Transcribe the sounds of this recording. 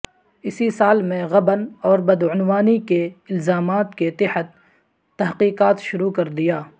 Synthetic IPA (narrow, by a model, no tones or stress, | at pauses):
ɪsisaːlmẽɣɐbənɔːɾbɐd̪ʊnwaːnikeɪlzaːmaːt̪ket̪ɪhət̪ː | ɐɦqiːqaːt̪ʃʊɾukɐɾd̪ijaː